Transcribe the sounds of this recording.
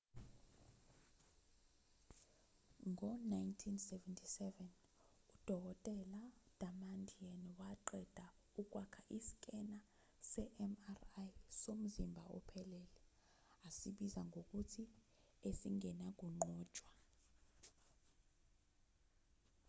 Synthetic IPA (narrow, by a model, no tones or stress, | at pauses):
ŋɔnajntʰinsɛvɛntʰisɛvɛn | ud̥ʱɔk̬ʼɔtʼɛlad̥ʱamandʱianwaǃɛd̥ʱa | uk̬ʼwakʰaʔisi̥kʼɛna | sɛʔɛmarjsom̩zimbʱaɔ̰pʰɛlɛːlɛ | asiɓizaŋʱok̬ʼutʰi | esiŋʱɛnak̬ʼuŋ͡ǃɔ̥ːt͡ʃʼwa